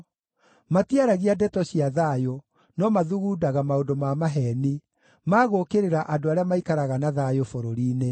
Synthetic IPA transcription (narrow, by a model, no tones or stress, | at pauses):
matiaɾaɣiadɛtɔɕiaðajo | nɔmaðuɣuːdaɣamaondomamaɦɛni | maːɣokeɾeɾaʔadoaɾeamaikaɾaɣanaðajofoɾoɾiːne